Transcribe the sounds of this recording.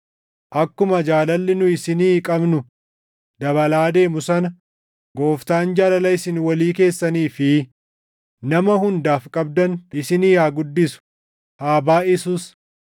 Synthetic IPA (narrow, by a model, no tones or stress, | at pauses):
ʔɐkːʊmɐd͡ʒaːlɐlːɪnʊɪsɪniːkʼɐbnʊ | d̪ɐβɐlaːd̪e̞ːmʊsɐnɐ | ɡo̞ːft̪aːnd͡ʒaːlɐlɐɪsɪnwɐliːke̞ːsːɐniːfɪ | nɐmɐhʊnd̪aːfkʼɐb̚d̪ɐnɪsɪniːjaːɡʊd̪ːɪsʊ̥ | haːbaːɪsuːs